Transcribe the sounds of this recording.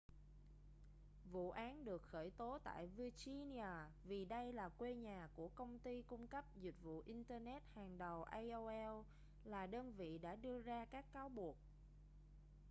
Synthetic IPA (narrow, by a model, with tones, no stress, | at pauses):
vṵ˧˨ʔaː˨˦nɗɨ˨˩ək̚xəː˧˩jt̪o˨˦t̪a̰ː˧˨jvi˧t͡ɕi˧ni˧aː˨˩ | vi˨˩ɗə˧jlaː˨˩kwe˧ɲaː˨˩ku˧˩əkə˧wŋ͡mt̪i˧kʊ˧ŋ͡mkə˦˥p̚zï˨˩k̟̚vṵ˧˨ʔi˧nt̪əː˧nɛ˦˥t̚haː˨˩ŋɗə˨˩wʔa˧jʔo˧ʔɛ˧w | laː˨˩ɗəː˧nvḭ˧˨ɗa̰ː˧˥ɗɨ˧əzaː˧kaː˦˥kːaː˨˦wɓu˨˩ək̚